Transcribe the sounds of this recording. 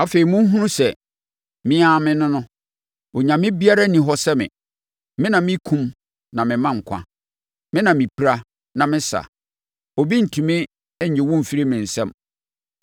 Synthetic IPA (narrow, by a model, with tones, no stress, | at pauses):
a˦fe˨i˨mũ˦ɦũ˦nũ˦sɛ˨ | mɪ̃˦a˨mɪ̃˦nʊ̃˦nʊ̃˦ | ɔ˨ɲã˨mɪ̃˦bi˦a˦ɾa˦nĩ˨ɦɔ˦sɛ˦mɪ̰̃˨ | mɪ̃˦nã˨mɪ̃˦kʰũ˦m | nã˨mɪ̃˨mã˦ŋ̩˨kʷʰã̰˦ | mɪ̃˦nã˨mĩ˨pʰi˨˦ɾa˦ | nã˨mɪ̃˦sa̰˨ | ɔ˨bi˦n̩˨tʰũ˨mɪ̃˦ | ɲ̩˨d͡ʑɪ˨wɔ̃˦m˨fi˦ɾi˦mɪ̃˨n̩˨sɛ̃˦m